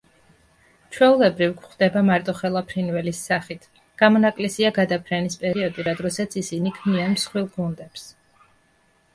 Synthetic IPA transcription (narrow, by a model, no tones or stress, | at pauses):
t͡ʃʰwɛulɛbɾivkχd̪ɛbamaɾt̪ʼɔχɛlˠapʰɾinvɛlisːaχit̪ʰ | ɡ̥amɔnakʼlɛsiaɡad̪apʰɾɛnispʼɛɾiɔd̪iɾad̪ɾɔsat̪sʰisinikʰmnianmsχwilˠɡund̪ɛps